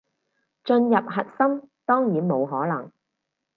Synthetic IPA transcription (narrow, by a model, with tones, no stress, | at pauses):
t͡ʃɵ˧njɐ˨p̚ɦɐ˨t̚sɐ˥mt̪ɔː˥ŋjiː˨˥nmo˨˧wɦɔː˨˥lɐ˨˩ŋ